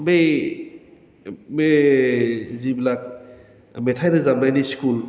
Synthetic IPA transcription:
me | me | ziblak̚ | metʰajɾɯzamajniskul

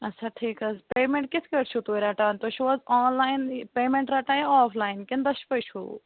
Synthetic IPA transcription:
ɐt͡ʃʰaʈʰiːkɐspeːmẽɳʈ̚kɪt̪ʰkɐɽt͡ʃʰut̪oːɾaːʈaːnt̪oʃiʋɔzɔ̃ːnlaːɪnpeːmẽɳʈɾaʈaːjɔːflaːɪnkɪnd̪ɐʃpɐʃʰṵ

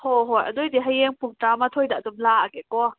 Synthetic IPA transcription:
hoɦɔjʔa̰d̪ojd̪iɦajɛŋpʰuŋʈ͡ʂaːmat̪ʰojda̰zɔmlaːʔakɛkɔ

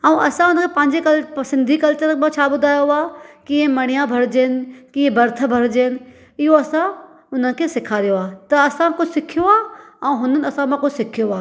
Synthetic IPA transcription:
əũʔɐsãʊnəkʰepɐ̃ɦɪ̃ɲd͡ʑekɐlsɪ̃nd̪ʱikɐlt͡ɕəɾmãt͡ɕʰabʊd̪ʱaːjoaːkĩːɦẽmɐɽ̃ijãbʱɐɾd͡ʑeːnɪ̆kĩɦẽbɐɾt̪ʰəbʱɐɾd͡ʑeːnɪ̆ | ɪɦoɐsã | ʊn̤ənɪ̆kʰesɪkʰaɾijoaːt̪ɐɐsãkʊd͡ʑsɪkʰijoaːɛ̃ũɦʊnənɪ̆ɐsãmãkʊd͡ʑsɪkʰijoaː

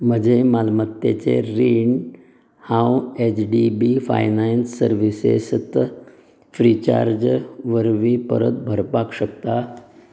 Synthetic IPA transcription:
m̤əd͡ʑemalmət̪ːḛt͡seɾiɳ | hãwet͡ɕɖibifa̰jnansːəɾʋisḛst̪ | fɾit͡ɕa̰ɾd͡ʑʋəɾʋipə̰ɾə̰t̪̚bʱəɾpakɕəkt̪a

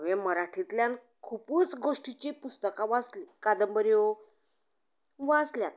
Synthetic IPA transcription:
ʋeməɾaʈʰit̪ljan | kʰupuːt͡sɡoʂʈit͡ɕipust̪əkãʋad͡zlikad̪əmbəɾjo | ʋad͡zljat̪̚

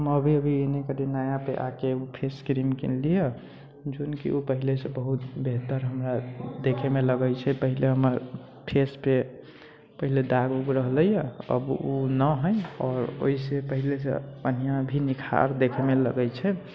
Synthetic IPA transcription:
ɦəməbʱiəbʱienekəɾinajapeʔakeupʰeskɾimkḭnlijə | d͡ʒonkḭopəɦilesẽbəɦut̪beɦt̪əɾɦəmɾad̪ekʰemeləɡəjt͡ʃʰɛpəɦileɦəməɾ | pʰespe | pəɦiled̪aɡuɡɾəɦləjəə̰bunəɦəjɔːɾo̰isepəɦilesḛpənijãbʱinikʰa̰ɾd̪ekʰemeləɡəjt͡ʃʰɛ

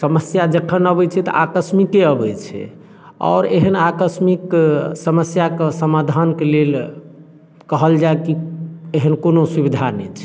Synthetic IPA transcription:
səməsjad͡ʒəkʰənəbɛt͡ʃʰɛt̪ɔ̰ʔakəsmikeəbɛt͡ʃʰɛ̰ | ɔ̰ːɾeɦənakəsmiksəməsjakesəmad̪ʱankelel | kəɦəld͡ʒaekieɦənkonosubid̪ʱanɛ̰t͡ʃʰɛ̥

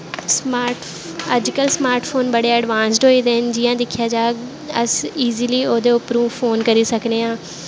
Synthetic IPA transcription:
smaːʈ | əd͡ʒkəlsmaːɾʈpʰoːnbəɽeːəːɖʋãːns̬ɖɦoːiːd̪eːnd͡ʒɪːjãːd̪ɪkʰjaːd͡ʒaːɡ | əsiːziːliːoːd̪eːʊpəɾũːpʰoːnkəɾiːsəkneːãː

